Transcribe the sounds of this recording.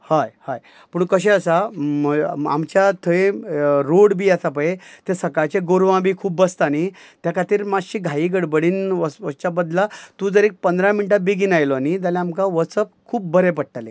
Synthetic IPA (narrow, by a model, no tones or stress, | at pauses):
hajhaj | puːɳkəɕẽəsaməa̰mt͡ɕjat̪ʰəeɾoɽbiːasapəjet̪esəkajt͡seɡoɾʋãbiːkʰuːbːəst̪anit̪jakʰat̪iːɾmad͡zɕiːɡʱaiːɡəɽbəɽiːnʋəʋəst͡ɕabəd̪lat̪ũd͡zəɾek̚pənd̪ʱɾaminiʈ̬abiɡinajlɔanid͡z̪alaamkãʋət͡səp̚kʰuːp̚bəɾepəʈ̚ʈale